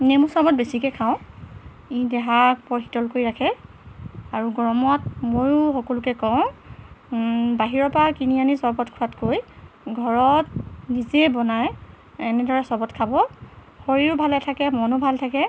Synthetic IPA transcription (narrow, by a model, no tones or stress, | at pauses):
nemusɔbɔt̚besikɛkʰaʊ̃ | idɛɦak̚pɔɹxi̥tɔlkoɹiɹakʰɛ | aɹuɡɹɔmɔt̚mojʊxɔkɔlukɛkɔ̃ʊ̃ | baɦiɹɔpakinianisɔbɔtkʰuatkojɡʱɔɹɔtnizebɔnaj | ɛnɛdɔɹɛsɔbɔtkʰabɔ | xoɹiʊbʱalɛtʰakɛmɔnʊbʱaltʰakɛ